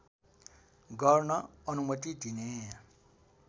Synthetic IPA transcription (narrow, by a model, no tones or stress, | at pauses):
ɡʌrnʌʌnumʌt̪id̪ine